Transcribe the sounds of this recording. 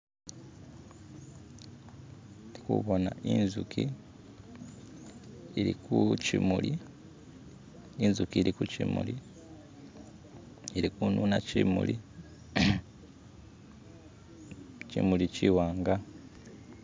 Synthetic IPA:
ti̥kṵβo̞na̰ʔinzukʰi | iɾikucimuli | inzukiɾikucḭmṵli | eɾikunuːnacimṵlḭ | cḭmuliciwaːŋɡa

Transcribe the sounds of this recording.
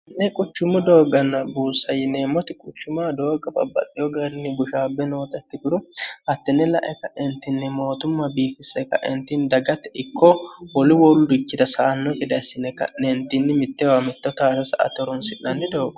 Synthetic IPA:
nɛkʼʊt͡ʃːʊmʊd̪o̞ːɡɐnːɐbuːsɐjɪnemɔt̪ɪkʼʊt͡ʃːʊmad̪o̞ːɡɐbɐ̰bːɐ̰t̪ʼːɪjɔɡɐɾɪnːɪɡʊʃaːbːɛnoːt̪ɐkːɪk̪ʊɾʊhɐt̪ːɪnːɛlɐ̰ʔɛkːɐʔɛnt̪ːɪnːɪmo̞ːt̪ʊmːɐbiːfɪsːɛkːɐ̰ʔɛnt̪ːɪnd̪ɐɡɐt̪ːɛɪkʰːɔwɔlɪwɔlɪkːɪd̪ɐsaːnːɔɡɪd̪ɐsːɪnɛkːɐ̰nɛnt̪ːɪnːɪmɪt̪ːɛwamɪt̪ːɔt̪aːsɐsɐʔɐ̰t̪ɔɾɔnsɪnːɐnːɪd̪o̞ːɡɔ̥

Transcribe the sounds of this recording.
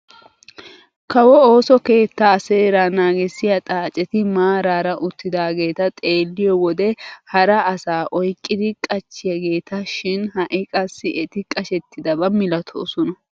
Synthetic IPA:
kɐwɔo̞ːsɔke̞ːt̪ːaseːɾanaːɡɪsɪjɐt̪ʼaːt͡ʃʼːɛt̪ɪmaːɾaːɾɐʔʊt̪ːɪd̪aːɡe̞ːt̪ɐt̪ʼe̞ːlːɪjɔwɔd̪ɛhɐɾɐːsaːʔɔjkʼːɪd̪ɪkʼɐt͡ʃːɪjɐɡe̞ːt̪ʰɐʃɪnhɐʔɪkʼɐsːɪʔɛt̪ɪkʼɐʃɛt̪ːɪd̪ɐbɐmɪlɐt̪ʰo̰ːsɔnɐ

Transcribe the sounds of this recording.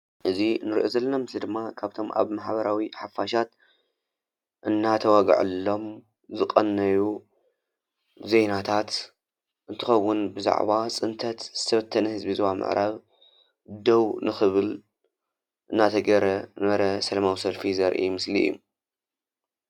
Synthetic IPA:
ʔɨzinɨɾiʔozɐlːɐnamɨslid̪ɨmːakʰaβt̪ʰo̞mʔa̰βmaħbɐɾawiħafaʃat̪ | ʔɨnːat̪ʰɐwaɡ̰ʕɨ̰lːo̞m | zɨqʼɐnːɐju | zejnat̪ʰat̪ | ʔɨnt̪ʰɨxɐwːʊnbɨza̰ʕβat͡sʼɨnt̪ʰɐt̪z̥ɨt̪ʰɐβɐt̪ʰːɐnɐhɨzbizwamɨ̰ʕɾʔaβ | d̪ɐwnɨxɨβɨl | ʔɨnːat̪ʰɐɡɐɾɐnɐɾɐsɐlɐmawisɐlfizɐɾʔḭmɨslḭjṵ

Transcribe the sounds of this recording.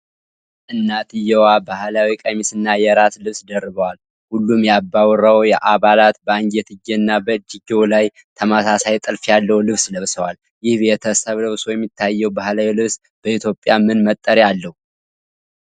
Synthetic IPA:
ʔɨnːat̪ɨjːɛwabahlawikʼəmisɨnːajɛɾaslɨβsd̪ərːɨβəwal | hulːumjabːawɾəwjɛʔaβalat̪bəaŋɡet̪ʰɨɡɛɨnːabəd͡ʒiɡewlaj | t̪ʰəmasasajt̪ʼɨlfjalːəhulɨβsləβsəwal | jɪhbeɛt̪ʰəsəβləβsojɛmːit̪ʰːajːɛwbahlawilɨβs | b̥əit̪ʰjo̞pʼːjamɨnmət̪ʼːəɾjalːəhu

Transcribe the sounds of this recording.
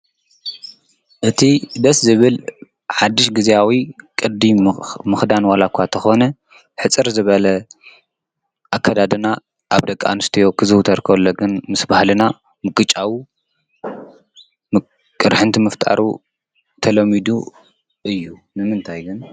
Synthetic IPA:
ʔɨt̪ʰid̪ɐszɨβɨl | ħad̪ːɨʃɡɨziawikʼɨd̪imɨxd̪anwalakʷʰːat̪ʰɐxo̞nɐ | ħɨt͡sʼɨɾzɨβɐlɐ | ʔakʰːɐd̪ad̪ɨna | ʔaβd̪ɐkʼːa̰nɨst̪ʰijo̞kʰɨzɨwt̪ʰɐɾkʰɐβlːoɡɨnmɨsbahlɨna | mɨkʼɨt͡ʃʼawi | m | kʼɨɾħɨnt̪ʰimɨft̪ʼa̰ɾṵ | t̪ʰɐlɐmid̪u | ʔɨjːunɨmɨnt̪ʰajɡɨn

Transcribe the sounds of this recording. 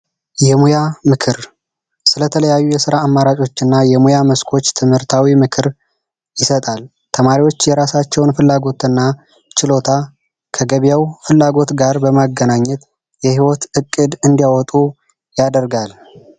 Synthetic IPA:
jɛmujamɨkʰɨɾ | sɨlət̪ʰələjajːujɛsɨɾaːmːaɾat͡ʃʼo̞t͡ʃːɨnːajɛmujaməskʰo̞t͡ʃːt̪ʰɨmhɨɾt̪ʰawimɨkʰɨɾ | jɪsət̪ʼal | t̪ʰəmaɾiwo̞t͡ʃːjɛɾasat͡ʃːɛwnfɨlːaɡo̞t̪ʰɨnːa | t͡ʃɪlo̞t̪ʰa | kʰəɡəβijawfɨlːaɡo̞t̪ɡaɾbəmaɡːənaɲːɛt̪ | jɛhiwɔt̪ɨkʼːɨd̪ɨnd̪ijawɔt̪ʼu | jad̪əɾɡal

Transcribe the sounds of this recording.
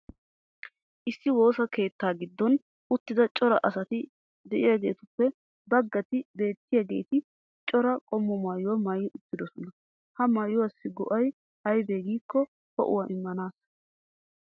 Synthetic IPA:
ʔɪsːɪwo̞ːsɐke̞ːt̪ːaːɡɪd̪ːɔn | ʊt̪ːɪd̪ɐt͡ʃʼɔɾɐʔɐsɐt̪ɪ | d̪ɛʔɪjaɡe̞̰ːt̪ʊpːɛ | bɐɡːɐt̪ɪbe̞ːt̪ːɪjaɡe̞̰jt̪ɪ | t͡ʃʼɔɾɐkʼɔmːɔmajːʊwɐmɐjːɪʔʊt̪ːɪd̪ɔsɔnɐ | hɐmɐjʊwɐsːɪɡɔ̰ʔɐj | hɐjbe̞ːɡiːkːɔ | hɔ̰ʔʊ̰wɐʔɪmːɐnaːs

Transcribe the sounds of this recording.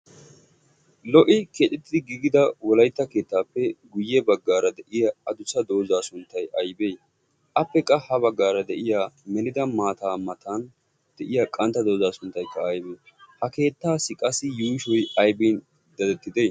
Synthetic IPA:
lɔʔɪket̪ʼɪt̪ːɪd̪ɪɡiːɡɪd̪ɐwɔlɐjt̪ːɐke̞ːt̪ːaːpːɛɡʊjːɛbɐɡːaːɾɐd̪ɛʔɪjɐɐd̪ʊsɐd̪o̞ːzaːsʊnt̪ːɐjɐjbej | ʔɐpːɛkʼːɐhɐβɐɡːaːɾɐd̪ɛʔɪjaːmɛnɪd̪ɐmaːt̪aːmɐt̪ʰaːn | d̪̥ɛʔɪjaːkʼɐnt̪ːɐd̪o̞ːzaːsʊnt̪ːɐjkːɐːjbeː | hɐke̞ːt̪ːaːsɪkʼɐsːɪjuːʃɔjɐjbiːn | d̪̥ɐd̪ɛt̪ːɪd̪ej

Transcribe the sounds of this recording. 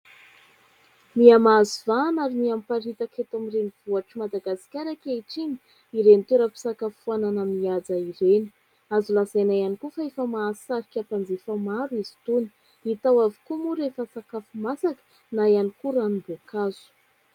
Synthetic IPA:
miamazivanaɾimiampaɾit̪aket̪amireniv̥uaʈ͡ʂimad̪aɡasi̥kʲaɾakeiʈ͡ʂiɲi̥ | iɾenit̪eɾəpi̥sakafuananamiad͡zaiɾeni̥ | azulazajnajanikufaefəmaːsaɾikʲapand͡zefəmaɾuizi̥t̪uni̥ | it̪awavi̥kumuɾefəsakafumasakə̥ | najanikuɾanumbokaz̥u̥

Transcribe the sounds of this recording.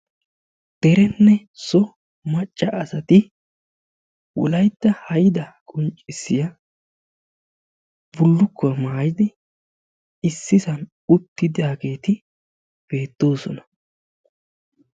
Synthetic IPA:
d̪̥ɛɾɛnːɛ | sɔ | mɐt͡ʃʼːɐʔːsɐt̪ɪ | wɔ̰lɐjd̪ːɐhɐjɪd̪ɐkʼʊnt͡ʃʼɪsːɪjɐ | bʊlːʊkːɔmaːjɪd̪ɪ | ɪsːɪsɐn | ʊt̪ːɪd̪jaːɡe̞ːt̪ɪ | b̥e̞ːt̪ːo̞ːsɔ̰nɐ̥

